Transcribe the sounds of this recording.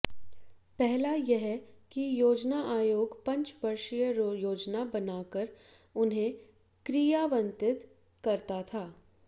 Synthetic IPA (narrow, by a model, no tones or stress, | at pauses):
pɛɦlajeɦɛkijoːd͡ʒnaʔaːjoːɡpɐ̃ɲt͡ʃʋɐɾʃijəjoːd͡ʒnabɐnaːkəɾ | ʊnɦẽ | kɾijaʋɐ̃nt̪ɪt̪ | kɐɾt̪at̪ʰaː